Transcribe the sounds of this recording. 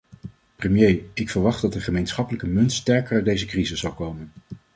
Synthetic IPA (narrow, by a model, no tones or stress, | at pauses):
prəmjejɪkfəɹʋɑχddɑtəχəmejnsχɑpələkəmɵntstɛɹkəɹaɥdejzəkrizəsːɑwkowmən